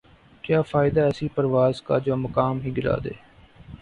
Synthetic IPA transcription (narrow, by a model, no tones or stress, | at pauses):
kjaːfʰaːɪd̪aːɛsiːpəɾʋaːzka̰ːd͡ʒoːməkaːmɦiːɡɪla̰ːd̪ḛː